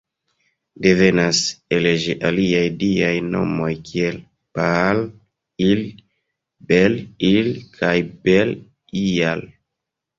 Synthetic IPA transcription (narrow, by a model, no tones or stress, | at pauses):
devenaseleʒeʔaliajdiajno̰mojkiel | pal | il | belilkʰajbel | ial